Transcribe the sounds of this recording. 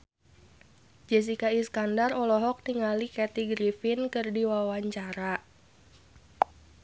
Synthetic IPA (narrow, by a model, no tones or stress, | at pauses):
d͡ʒɛs̬ikaiskandarɔlɔɦɔk̚niŋalikɛt̪iɡɾifinkɨrdiwawaɲt͡ʃaɾa